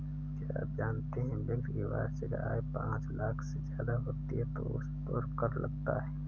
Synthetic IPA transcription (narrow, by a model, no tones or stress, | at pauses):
kea̰ːp̚d͡ʒaːnt̪eɦɛ̃bɪliʋa̰ːd͡ʒd͡ʒəɡɾa̰ːepãːt͡ʃlaːkʰsezjaːd̪abɐkt̪iẽt̪o̰ʊ̰st̪oːɾkɐɾlɐ̰ɡt̪a̰ɦɛː